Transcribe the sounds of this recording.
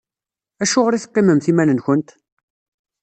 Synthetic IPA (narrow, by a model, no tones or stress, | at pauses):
æʃʊʁɾiθə̥qːɪməmθimænənçənt̪